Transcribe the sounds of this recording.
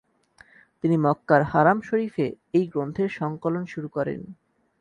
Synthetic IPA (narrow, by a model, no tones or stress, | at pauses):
t̪inimɔkːaɾhaɾamʃoɾife | ejɡɾont̪ʰeɾʃɔŋkolonʃuɾukɔɾḛn